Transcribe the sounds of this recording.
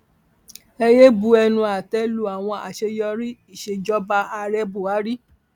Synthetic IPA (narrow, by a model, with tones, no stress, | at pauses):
ɛ˧je˦bu˦ɛ˧nũ˧a˨tɛ˦lu˦a˨w̃ɔ̃˧ʔa̰˨ʃe˧jɔ˧ɾi˦i˦˨ʃe˧d͡ʒɔ˦ba˧a˧ɾɛ˦bu˨a˨˦ɾi˦